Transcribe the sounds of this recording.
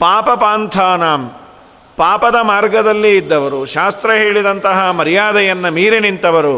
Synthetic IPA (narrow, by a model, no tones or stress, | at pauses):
paːpɐpaːnt̪ʰaːnaːm | paːpɐd̪ɐmaːɾɡɐd̪ɐlːiːd̪ːɐʋɐɾuʃaːst̪ɾɐɦeːɭid̪ɐnt̪ɐɦɐmɐɾijaːd̪ɐjɐnːɐmiːɾinint̪ɐʋɐɾu